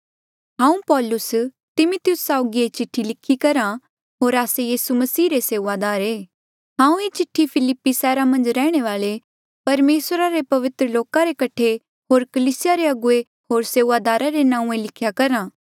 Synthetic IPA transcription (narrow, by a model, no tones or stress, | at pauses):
ɦãːũpɔːlʊs | t̪ɪmʊt̪jʊsːaːʊɡiet͡ʃɪʈʰːilɪkʰːikɐɾa | ɦoːɾaːsejiːsumɐsiːɾeseːʋad̪aːɾeː | ɦãːũet͡ʃɪʈʰːipʰɪlɪpːisɛːɾamɐ̃nd͡ʒɾɛːɽ̃eʋaːle | pɐɾmeːsɾaɾepɐʋɪt̪ɾəloːkaɾekɐʈʰe | ɦoːɾkɐliːsɪjaɾeɐɡʊe | ɦoːɾseːʋaːd̪aːɾaɾenãːũẽlɪkʰjakɐɾãː